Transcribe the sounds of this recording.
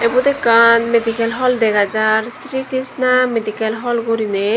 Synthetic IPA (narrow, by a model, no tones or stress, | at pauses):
ebud̪ekanmed̪ikelɦɔld̪ɛɡad͡ʑaɾsɾikɾisnamed̪ikelɦɔlɡuɾine